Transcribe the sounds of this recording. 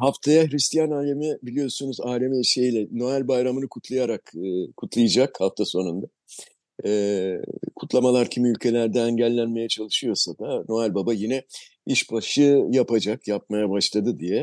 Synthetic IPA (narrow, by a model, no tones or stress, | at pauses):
ɦaft̪ʰajahɾist̪ʰijanaːlʲemibilʲijo̞ɾsunuzaːlʲemiiʃe̞jilʲɛno̞ælʲbajɾamɯnɯkʰut̪ʰlˠajaɾakːkʰːut̪ʰlˠajɯd͡ʒakhaft̪ʰaso̞nund̪a | ɛ | kʰut̪lˠamalˠaɾcʰimiylʲcʰe̞lʲæɾd̪ɛːɲɟælʲːænme̞jɛt͡ʃʰalˠɯʃɯjo̞sad̪ano̞alʲbabajinɛ | iʃbaʃɯjapad͡ʒakjap̚majabaʃlˠad̪ɯd̪ijɛ